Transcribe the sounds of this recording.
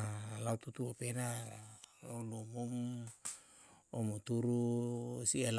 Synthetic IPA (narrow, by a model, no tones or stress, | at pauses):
lawt̪ut̪uopenaalowlomom | omot̪uɾusiel